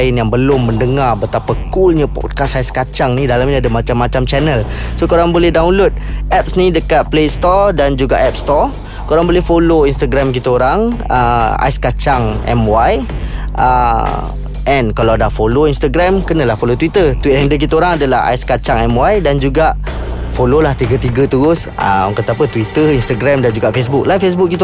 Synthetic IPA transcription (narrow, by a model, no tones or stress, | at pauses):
jɪnjaŋbəlʊmːə̃ndəŋarbət̪apakulɲapɔ̰d̚kasajskat͡ʃaŋnĩdalamɲəadamat͡ʃamːat͡ʃamt͡ʃɛnəl | sokoɾaŋbolɛɦdawnlot̪̚ɛp̚snĩdəkat̪̚plest̪ɔdand͡ʒuɡaʔɛp̚st̪ɔ | koɾaŋbolɛhfoloinst̪aɡɾamk̬it̪əoɾaŋə̰a̰jskat͡ʃaŋɛ̰mwaj | ʔə | ʔɛnkalawdafoloinst̪aɡɾɛmkənə̃lahfolot̪wit̪ət̪wit̪̚ɛndək̬it̪əoɾaŋadalaha̰jskat͡ʃaŋɛmwajdand͡ʒuɡaʔfololaht̪iɡət̪iɡət̪uɾʊsə̰ŋkət̪apət̪wit̪əinst̪aɡɾɛmdand͡ʒuɡaʔfes̬bʊk̚lafes̬bʊk̚kːit̪